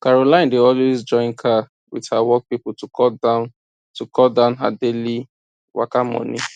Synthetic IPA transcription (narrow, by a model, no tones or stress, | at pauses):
kaɹolãɪ̃ndeɔlwezd͡ʒɔ̃ɪ̃nkʰa | widhawɔk̚piptukɔda | tukʰɔldãʊ̃nɦa̰deli | wa̰kamɔ̰̃ni